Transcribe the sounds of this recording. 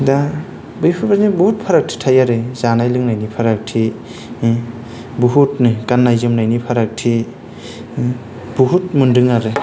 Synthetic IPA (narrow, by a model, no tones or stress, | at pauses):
da | bɯjpʰɯbanibuhut̚pʰaɾak̚tʰi̥tʰajaɾɯzanajlɯŋnajnipʰaɾak̚tʰi | buɦutnɯkanːajzɯmnajnipʰaɾak̚tʰi | b̥uɦut̚mundɯŋaɾɯ